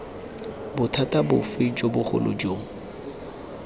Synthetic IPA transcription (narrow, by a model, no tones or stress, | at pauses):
bʊtʰatabʊfɪd͡ʒobʊχʊ̰lʔo̰d͡ʒoːŋ̩